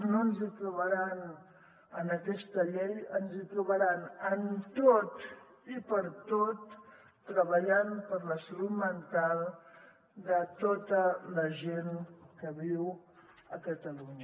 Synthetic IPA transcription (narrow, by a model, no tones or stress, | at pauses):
noənzit̪ɾuβəɾan | ənəkɛst̪əʎejənzit̪ɾuβəɾanənt̪ot̪ | ipəɾt̪ot̪ː | ɾəβəʎanpəɾləslumənt̪alˠ | d̪ət̪ot̪ələʒenkəβiwəkət̪əluɲə